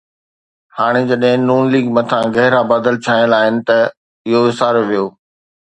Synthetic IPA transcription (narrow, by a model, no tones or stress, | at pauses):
haːɽ̃ɪd͡ʑɐɗɦɪ̃nuːnliːɡmɐt̪ʰãɡɐɦɪɾabaːd̪əlt͡ɕʰaːɪ̃əlaːɦɪnɪ̆t̪ɐ | ɪɦoɪsaːɾʋijoː